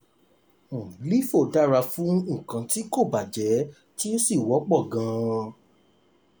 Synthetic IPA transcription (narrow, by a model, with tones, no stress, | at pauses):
li˦fo˦˨da˦ɾa˧fũ˦ŋ̩̃˦˨kã˨˧ti˦ko˦˨ba˨d͡ʒɛ˨˦ | ti˦n̩˦si˦˨wɔ˨˦k͡pɔ˦˨ɡã˨˧˦